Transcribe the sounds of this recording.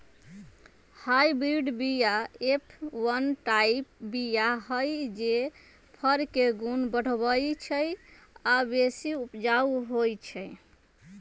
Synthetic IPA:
hajbɾiɖbijaepʰwənʈaipbijaɦəjd͡ʒe | pʰəɾkeɡunbəɽ̤bəjt͡ʃʰəj | abesiupd͡ʒauɦojt͡ʃʰɛj

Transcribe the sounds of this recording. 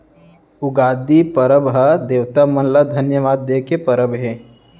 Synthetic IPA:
ʊɡaːd̪ipəɾəbɦɐd̪eːʋt̪amɐnləd̪ʱɐnjəʋaːd̪ːeːkepəɾəbɦẽː

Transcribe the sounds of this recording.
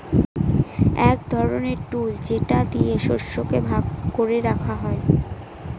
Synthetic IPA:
ɛkd̪ʱɔɾoneɾʈuld͡ʑeʈad̪ieʃoɾʃokebʱaɡkoɾeɾakʰaɦɔe

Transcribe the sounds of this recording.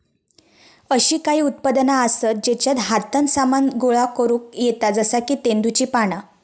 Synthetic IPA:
əɕiːkaɦiːut̪̚pad̪naəsət̪̚d͡ʑet͡ɕjat̪ɦat̪ənsamanɡoɭakəɾuːk̚jet̪ad͡zəsakiːt̪end̪ut͡ɕiːpaɽ̃a

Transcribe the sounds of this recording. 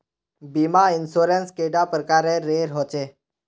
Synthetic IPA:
bimainsuɾenskeɖapɾəkaɾeːeɾɦot͡ɕe

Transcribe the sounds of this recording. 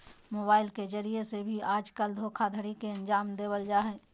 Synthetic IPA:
moːbaːɪlkezəɾiesebʱiaːd͡ʒkəld̪ʱoːkʰad̪ʱəɽikeɐ̃nd͡ʒaːmd̪eːwəld͡ʒaːɦɛː

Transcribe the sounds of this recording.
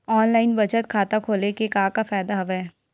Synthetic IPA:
ɔːnlaːɪnbɐt͡ʃət̪̚kʰaːt̪akʰoːlekekaːkafɛːd̪aɦɐʋɛɛː

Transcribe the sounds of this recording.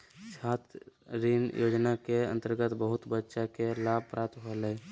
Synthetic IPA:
saːt̪ʰɾinjo̰ːd͡ʒnakeə̰̃nt̪əɾɡət̪bəɦʊt̪bətːʃakelaːb̚ʱpɾaːt̪ɦolə

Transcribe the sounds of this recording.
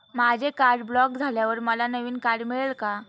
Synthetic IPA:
mad͡ʑʱekaɾɖbɭɔk̚d͡zʱaljaʋəɾməlanəʋiːnkaɽmiɭəɭka

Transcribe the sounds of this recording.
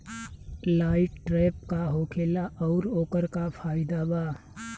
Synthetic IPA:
laːɪʈʈɾeːp̚kaɦoːkʰeːlaʔɔʊɾoːkəɾkapʰaːɪd̪abaː

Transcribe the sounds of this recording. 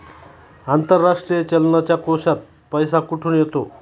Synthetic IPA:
ant̪əɾːaʂʈɾijət͡ɕəlnat͡ɕjakosat̪̚ | pəjsakuʈʰuːnjet̪o

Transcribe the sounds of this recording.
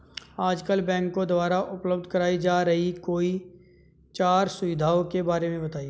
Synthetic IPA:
aːd͡ʒkəlbɛ̃ːŋkːod̪ʊwaːɾaʔʊpləb̚d̪ʱkɐɾaːid͡ʒaːɾɐɦikoːi | t͡ʃaːɾsʊʋɪd̪ʱaːokebaːɾemẽbɐt̪aːie

